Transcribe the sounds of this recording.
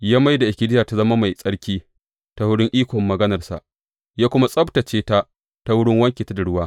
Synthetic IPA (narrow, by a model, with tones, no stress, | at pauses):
jaː˦ma˦jda˨ʔɪ˨kʲɪ˦dɪ˦jaː˨ta˦zɐ˦ma˦ma˨jsʼɐ˦ɽkʲiː˦ | ta˦wʊ˦ɽɪ˦ŋʔiː˦kʷɔ˨mːɐ˨ɡɐ˦nɐ˨rsa̰˨ʔ | jaː˦kʷʊ˦ma˦sʼɐ˦bta˨t͡ʃeː˦ta˦ | ta˦wʊ˦ɽɪ˦ŋwɐ˦ŋkʲeː˨ta˦da˨ɽʊ˦waː˦